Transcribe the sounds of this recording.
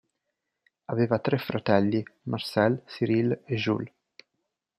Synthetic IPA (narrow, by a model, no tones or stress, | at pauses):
aveːvat̪ɾɛfːɾat̪ɛlːimarsɛlsiɾileʒṵl